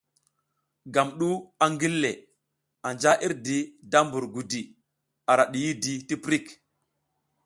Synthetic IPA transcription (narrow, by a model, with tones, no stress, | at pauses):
ɡa˨mɗu˦a˨ŋɡi˦lːe˨ | a˨nd͡ʒa˦ʔi˦ɾdi˨da˦mbu˨ɾɡu˨di˨ | a˨ɾa˨ɗi˨ji˦di˨ti˦pɾi˦˨k